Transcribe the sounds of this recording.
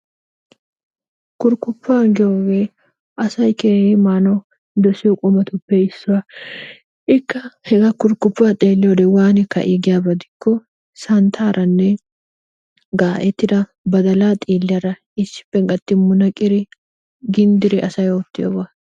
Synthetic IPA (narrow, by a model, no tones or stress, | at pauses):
kʊɾkːʊpːaːɡɪjoːɡeː | ʔɐsɐjkeːhɪmaːnɔ | d̪ɔsɪjɔkʼʊmɐt̪ʊpːɛɪsːʊwa | ʔɪkːɐhɛɡɐkʊɾkːʊpːaːt̪ʼeːlːɪjoːd̪ɛwaːnɪkːɐ̰ʔɪɡɪjaːbɐd̪ɪkːɔ | sɐnt̪ʰaːɾʔɐnːɛ | ɡaːʔɛt̪ːɪd̪ɐ | bɐd̪ɐlaːt̪ʼiːlːɪjaɾɐ | ɪsːɪ̥pːɛŋɡɐt̪ːɪmʊnɐkʼɪɾɪ | ɡɪnd̪ɪɾɪʔɐsɐjoːt̪ːɪjo̰ːbɐ